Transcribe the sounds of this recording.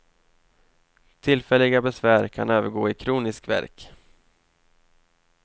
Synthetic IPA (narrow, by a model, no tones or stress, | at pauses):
t̪ʰɪlfɛlːɪɡabɛsvæːɾkʰanøːvəɾɡoːɪkʰɾuːnɪskvæ̰ɾk